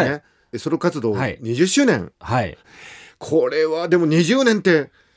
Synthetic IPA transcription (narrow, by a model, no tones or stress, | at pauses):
e | soɾokat͡sɨd̪o̞ːaiɲ̟iʑɨɕːɨːnẽ̞̰ŋhai | kʰo̞ɾe̞βad̪e̞mo̞ɲ̟iʑɨːnẽ̞nt̪e̞